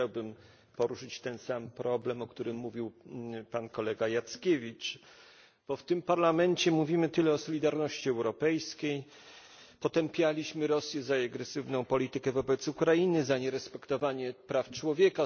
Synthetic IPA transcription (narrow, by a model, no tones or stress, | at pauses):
t͡ɕawbɘm | pɔɾuʂɘt͡ɕt̪ɛnsampɾʔɔblɛmɔkt̪uɾɘmːuvʲiwpankɔlɛɡajat̪skʲevʲit͡ʂ | b̥ɔft̪ɘmpaɾlamɛnt͡ɕɛmuvʲimɘt̪ɘlɛɔsɔlʲid̪aɾnɔɕt͡ɕiɛwɾɔpɛjskʲej | pɔt̪ɛmpʲjalʲiɕmɘɾɔsʲjɛzaaɡɾɛsɘvnɔ̃w̃pɔlʲit̪ɘkɛvɔbɛt̪sukɾajinɘzaɲɛɾɛspɛkt̪ɔvaɲɛpɾaft͡ʂwɔvʲjɛka